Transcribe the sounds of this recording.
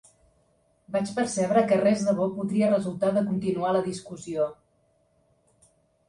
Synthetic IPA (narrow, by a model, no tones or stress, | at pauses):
bat͡ʃpəɾsɛβ̞ɾəkərɛzðəβɔpuðɾiərəzulˠt̪aðəkunt̪inualəðiskusio